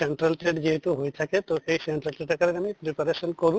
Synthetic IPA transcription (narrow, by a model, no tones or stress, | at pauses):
eɳʈɾalʈɾeʈd͡ʑiɦet̪uɦojt̪ʰaket̪oejseɳʈɾalʈ̪ɾeʈakaɾeɾamipɾipaɾeʃonkoɾu